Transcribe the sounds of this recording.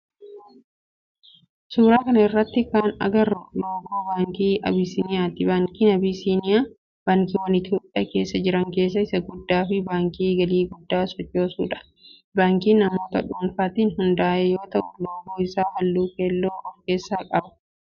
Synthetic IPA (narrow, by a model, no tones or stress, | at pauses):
suːɾaːkɐnɐɪrːɐt̪ːɪkaːnɐ̰ɡɐrːʊloːkuːbaːŋkiːʔɐ̰bisinɪjaːt̪ɪbaːŋkiːnɐbiːsiːnɪjaː | b̥aːŋkiːwɐnɪt̪ʰjo̞ːpʼːɪːjɐke̞ːsːɐd͡ʒɪɾɐŋke̞ːs̬ːɐɪsɐɡʊd̪ːaːfɪbaːŋkiːɡɐliːɡʊd̪ːaːsɔt͡ʃːo̞ːsṵːᶑɐ̥ | baːŋkiːnɐmo̞ːt̪ɐᶑuːnfaːt̪iːnɦʊnd̪aːʔejo̞ːt̪ɐʔʊloːboːɪsaːwɐlːuːkeːlːoːwɐŋkeːsːaːkʼɐbɐ̥